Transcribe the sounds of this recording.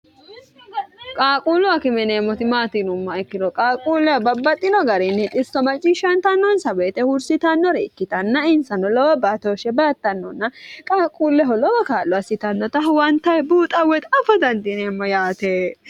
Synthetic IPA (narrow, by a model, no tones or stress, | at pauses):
kʼaːkʼuːlʊɐkɪmɛneːmːɔt̪ɪmaːt̪ɪnʊmːɐɛkːɪd̪ɔkʼaːkʼuːlːɛɔbɐbːɐt̪ʼːɪnɔɡɐɾɛnːɛt̪ʼɪsɔmɐt͡ʃʼːiʃɐnt̪ɐnːɔnsɐweːt̪ɛhʊɾsɪt̪ɐnːɔɾɛɪkːɪt̪ɐnːɐɪnsɐnɔlɔwɐbat̪oːʃɛbɐɐt̪ːɐnːɔ̰nːɐkʼaːkʼuːlːɛɦɔlɔwɔkaːlːɔɐsːɪt̪ɐnːɔt̪ɐɦwɐnt̪ɐjbuːt̪ʼɐwːɛt̪ɐfɔd̪ɐnt̪ɪneːmːɔjaːt̪e